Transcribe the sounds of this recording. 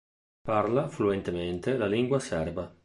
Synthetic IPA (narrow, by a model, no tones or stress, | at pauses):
parlafluent̪ement̪elaliŋɡwasɛrva